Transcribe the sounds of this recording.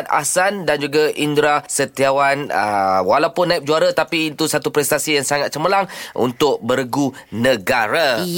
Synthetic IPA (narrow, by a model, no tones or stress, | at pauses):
t̪a̰sandand͡ʒuɡaʔindɾasət̪iawanə̰walawpʊnːaip̚d͡ʒuaɾat̪apiːt̪usat̪upɾɛst̪asijaŋsaŋat̪̚t͡ʃəməlaŋʔṵnt̪ʊk̚bəɾɡu | nəɡaɾa